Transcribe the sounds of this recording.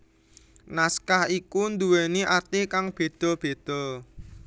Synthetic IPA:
naskahikund̪uweniʔat̪ɪhkaŋb̥e̤d̪̥ɔ̤b̥e̤d̪̥ɔ̤

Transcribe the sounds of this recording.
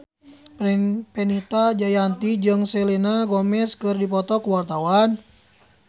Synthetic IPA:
pinpɛnit̪ad͡ʒajant̪id͡ʒɨŋsɛlinaɡɔmɛskɨrdipɔt̪ɔkuwart̪awan

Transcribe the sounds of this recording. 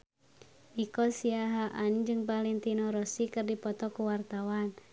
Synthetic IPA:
ʔikɔsiaɦaʔand͡ʒɨŋpalɛnt̪inɔɾɔsikɨrdipɔt̪ɔkuwart̪awan

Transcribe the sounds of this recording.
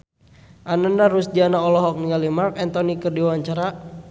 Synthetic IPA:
ʔanəndaɾusdianaɔlɔɦɔk̚niŋalimarkɛnt̪ɔnikərdiwawaɲt͡ʃaɾa

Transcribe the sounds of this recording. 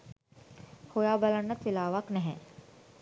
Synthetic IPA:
hojaːbalanːət̪ʋilaːʋaknɛɦɛ̃

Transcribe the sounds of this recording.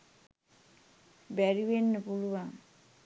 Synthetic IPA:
bɛɾiwenːpulua

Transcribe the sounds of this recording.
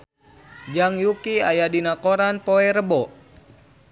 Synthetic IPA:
d͡ʒaŋjukiajadinakoɾanpoɛɾəbɔ

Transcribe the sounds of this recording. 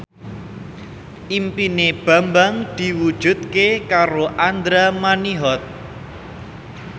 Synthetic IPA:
ʔimpineb̥a̤mbaŋd̪̥i̤wud̥ʒ̥ṳd̪̚kekaɾoʔand̪ɾamaniɦɔt̪̚

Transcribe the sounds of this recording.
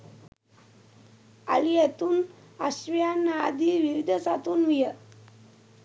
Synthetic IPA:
a̰lijet̪uːn | əɕʋjanad̪iːʋiʋid̪ʱəsat̪uːnʋijə

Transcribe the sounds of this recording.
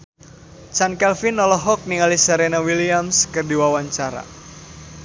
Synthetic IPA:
t͡ʃankɛlfinːɔlɔɦɔk̚niŋalisəɾenawiliamskərdiwawaɲt͡ʃaɾa̰

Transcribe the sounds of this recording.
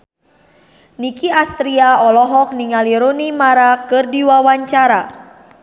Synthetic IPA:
nikiast̪ɾiaɔlɔɦɔk̚niŋaliɾonimaɾakɨrdiwawaɲt͡ʃaɾa

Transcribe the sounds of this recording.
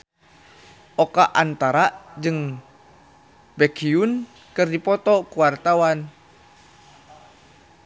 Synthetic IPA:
ʔɔkaʔant̪aɾaʔd͡ʒɨŋ | bɛkʰiun | kɨrdipɔt̪ɔkuwart̪awan

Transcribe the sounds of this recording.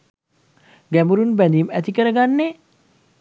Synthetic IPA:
ɡæmuɾunbænd̪imæt̪ikəɾəɡanːe

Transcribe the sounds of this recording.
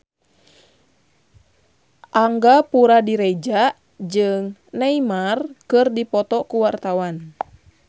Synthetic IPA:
ʔaŋɡapuɾadiɾɛd͡ʒaʔ | d͡ʒɨŋneimarkɨrdipɔt̪ɔkuwart̪awan

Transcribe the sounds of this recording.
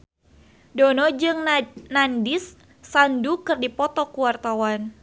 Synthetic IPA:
dɔnɔd͡ʒɨŋnandɪsː | andukɨrdipɔt̪ɔkuwart̪awan

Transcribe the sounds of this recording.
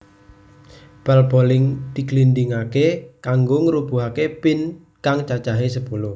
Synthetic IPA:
b̥albolɪŋt̪iklind̪ɪŋakekaŋɡoŋəɾub̥uɦakepɪn | kaŋt͡ʃat͡ʃaɦesəpulʊh

